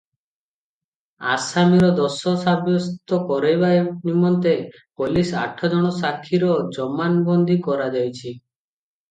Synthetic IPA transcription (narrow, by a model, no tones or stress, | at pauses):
a̰samiɾɔd̪ɔsɔsabjɔst̪ɔkɔɾejbanimɔnt̪e | polisa̰ʈʰːɔd͡ʒɔɽ̃ɔsakʰːiɾɔd͡ʒɔmanbɔnd̪ikɔɾad͡ʒajt͡ʃʰi